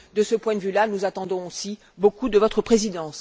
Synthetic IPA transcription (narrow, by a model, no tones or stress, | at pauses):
d̪əsəpwɛ̃d̪əvylanuzat̪ɑ̃d̪ɔ̃osi | bokud̪əvɔt̪χəpχezid̪ɑ̃s